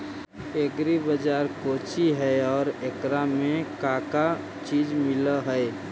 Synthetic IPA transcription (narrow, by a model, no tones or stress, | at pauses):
eɡɾibəd͡ʒaːɾkoːt͡ʃiɦɛɔːɾekɾamẽkaːka | t͡ʃiːd͡ʒmɪləɦəe